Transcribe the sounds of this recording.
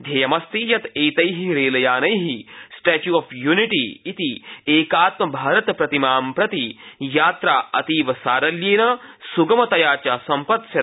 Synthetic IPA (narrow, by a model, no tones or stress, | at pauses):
d̪ʱɐːjɐmɐst̪ijɐt̪eːjt̪ɐjɦiɾeːlɐjaːnɐjɦisʈɛːt͡ʃjuːɐfjuːniʈiːt̪ieːkaːt̪mɐbʱaːɾɐt̪pɾɐt̪imaːmpɾɐt̪ijaːt̪ɾaːɐt̪iːʋɐsaːɾɐljeːnɐsuɡɐmɐt̪ɐjaːt͡ʃasɐmpɐt̪ʃjɐ